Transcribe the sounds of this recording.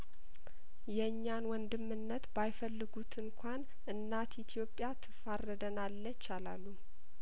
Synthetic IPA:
jɛɨɲːanwɔnd̪ɨmːɨnːət̪bajfəlːɨɡut̪ʰɨŋkʷʰan | ɨnːat̪it̪ʰjo̞pʼːjat̪ʰɨfarːəd̪ənalːət͡ʃːala̰lːu

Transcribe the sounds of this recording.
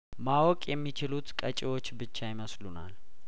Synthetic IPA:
mawɔkʼjɛmːit͡ʃɪlut̪kʼət͡ʃʼɪwo̞t͡ʃːbɨt͡ʃːajɪməsluna̰l

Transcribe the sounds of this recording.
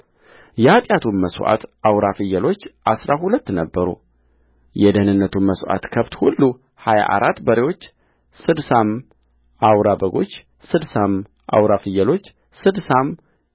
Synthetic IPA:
jɛhat̪ʼjat̪ʰunməsʔa̰t̪ʔawɾafɨjːəlo̞t͡ʃːʔasɾahulət̪ːnəbːəɾṵ | jɛd̪əhnɨnːət̪ʰunməsʔa̰t̪kʰəβt̪hulːu | haja̰ʔaɾʔat̪ːbəɾewo̞t͡ʃː | sɨd̪sam | ʔawɾabəɡo̞t͡ʃː | sɨd̪sam | ʔa̰wɾafɨjəlo̞t͡ʃː | sɨd̪sam

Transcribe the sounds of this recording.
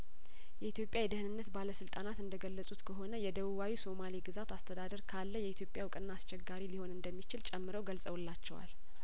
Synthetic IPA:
jɛit̪ʰjo̞pʼjajɛd̪ɨhɨnɨnːət̪baləsɨlt̪ʼanat̪ɨnd̪əɡəlːəsʼut̪kʰəɦo̞nəjɛd̪əβuβawiso̞maliɡɨzat̪ast̪ʰəd̪ad̪əɾkʰalːəjɛit̪ʰjo̞pʼjawkʼɨnːaast͡ʃɛɡːaɾiliho̞nɨnd̪əmːit͡ʃɪlt͡ʃʼɛmːɨɾəwɡəlsʼəwulːat͡ʃːɛwa̰l

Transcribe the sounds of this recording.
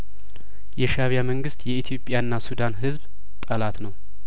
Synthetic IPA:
jɛʃaβjaməŋɡɨst̪jɛit̪ʰijo̞pʼːjaɨnːasud̪anɦɨzb | t̪ʼəlat̪nəw

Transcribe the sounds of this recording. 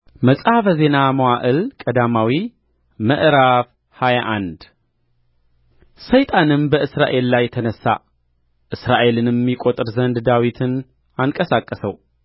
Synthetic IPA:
məsʼafəze̞naməwaʔɨlkʼəd̪amawi | məʔɾaf | hajaʔand̪ | səjt̪ʼanɨmbəʔɨsɾa̰ʔe̞lːajt̪ʰənəsːa̰ | ʔɨsɾaʔe̞lɨnjɛmːikʼo̞t̪ʼɨɾzənd̪d̪awit̪ʰɨn | aŋkʼəsakʼːəsəw

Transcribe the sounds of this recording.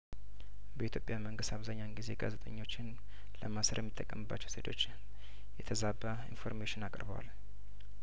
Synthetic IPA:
bəit̪ʰjo̞pʼjaməŋɡɨst̪ʰaβzaɲːanɡize̞ɡa̰zet̪ʼəɲːo̞t͡ʃːɪn | ləmasəɾjɛmːit̪ʼːəkʼːəmɨbːat͡ʃːɛwset̪ʰo̞t͡ʃː | jɛt̪ʰəzabaḭnfo̞̰ɾmeʃɪnakʼəɾbəwa̰l

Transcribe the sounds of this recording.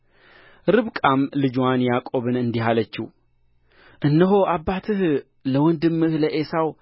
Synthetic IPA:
ɾɨβkʼamlɨd͡ʒwanjakʼo̞βɨnɨnd̪iɦalət͡ʃːṵ | ʔɨnːəɦoʔabːat̪ʰɨh | ləwɔnd̪ɨmːɨhləʔesaw

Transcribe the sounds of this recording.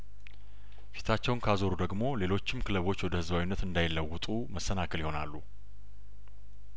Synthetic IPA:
fi̥t̪ʰat͡ʃːɛwnkʰazo̞ɾud̪əɡmo̞le̞lo̞t͡ʃːɪmkʰɨləβo̞t͡ʃːwɔd̪əhɨzbawinːət̪ɨnd̪ajɪlːəwːʊt̪ʼuməsːənakʰəljɪho̞na̰lːu

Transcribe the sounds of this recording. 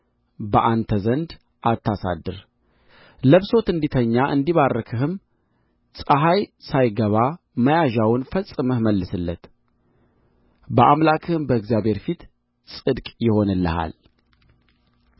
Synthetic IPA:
bəʔant̪ʰəzənd̪ | ʔat̪ʰːasa̰d̪ːɨɾ | ləβso̞t̪ɨnd̪it̪ʰəɲːaʔɨnd̪iβarːəkʰɨɦɨm | sʼəɦajsajɡəβa | məjaʒawʊnfəsʼɨməhməlːɨsɨlːət̪ | bəʔamlakʰɨhɨmbəɨɡzjaβhe̞ɾfit̪ | sʼɨd̪kʼjɪho̞nɨlːə̰ha̰l

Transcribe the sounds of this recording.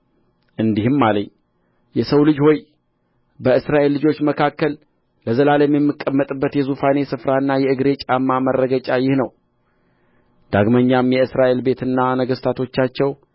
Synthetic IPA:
ʔɨnd̪ihɨmːaləɲː | jɛsəwlɨd͡ʒho̞j | bəɨsɾaʔe̞lːɨd͡ʒo̞t͡ʃːməkʰakːəl | ləzəlaləmjɛmːɨkʼːəmːət̪ʼɨbːət̪jɛzufane̞sɨfɾaɨnːajɛɨɡɾe̞t͡ʃʼamːamərːəɡət͡ʃʼajɪhnəw | d̪̥aɡməɲːamjɛɨsɾaʔe̞lbe̞t̪ɨnːanəɡəst̪ʰat̪ʰo̞t͡ʃːat͡ʃːɛw

